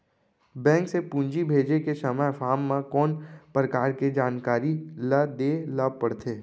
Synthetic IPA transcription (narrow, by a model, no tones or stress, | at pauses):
bɛ̃ːŋksepũːɲd͡ʒibʱeːd͡ʒekesəməjfʰaːmːãkɔːnpɾəkaːɾked͡ʒaːnkaːɾiləd̪eːləpəɽt̪ʰeː